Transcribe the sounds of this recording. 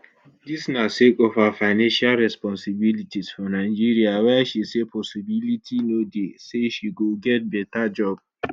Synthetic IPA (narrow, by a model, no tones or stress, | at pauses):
disnasekɔfhafaɪnãnʃalɹɛspɔ̃nsibilitiz̥fɔ̃naɪd͡ʒiɹiawɛaʃisepʰɔsibilitʰinodeseʃiɡoɡɛt̚bɛtad͡ʒɔb̚